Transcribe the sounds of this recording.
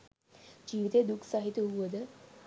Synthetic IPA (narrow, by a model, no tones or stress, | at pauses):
d͡ʑiʋit̪ed̪ukʰsaɦit̪uʋəd̪ə